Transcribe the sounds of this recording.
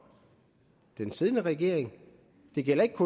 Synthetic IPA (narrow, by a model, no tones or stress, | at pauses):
d̥ensið̞ˠnəʁɛɡ̥e̝ɐ̰eŋ | d̥e̝ɡ̥el̰ɐe̝ɡ̥̚kʰo